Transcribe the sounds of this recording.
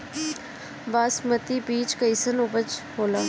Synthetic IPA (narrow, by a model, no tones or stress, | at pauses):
baːsmət̪ibiːt͡ʃkɐɪsənʊbət͡ʃhoːlaː